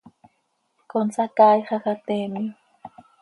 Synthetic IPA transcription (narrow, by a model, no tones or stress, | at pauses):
konsakaːjχaxat̪eːmi